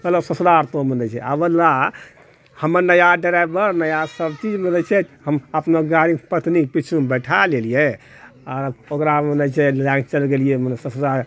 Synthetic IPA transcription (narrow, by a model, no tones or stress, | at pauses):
ɡəlasəsd̪aɾt̪omenɛt͡ʃʰɛ̰abəlːa | həməɾnəjaɖəɾajbəɾnəjasəbt͡ʃid͡ʒmenət͡ʃʰɛɦəməpnoɡaɾipət̪nipit͡ʃʰumbəʈʰalelije | aɾokɾamənɛt͡ʃʰɛlaɡt͡ʃəlɡelijemənsəsd̪aɾ